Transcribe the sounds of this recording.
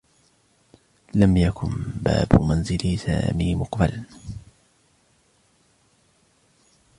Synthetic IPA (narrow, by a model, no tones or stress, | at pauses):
lamjakʊnba̰ːbʊmanzɪlsa̰ːmiːmʊqbala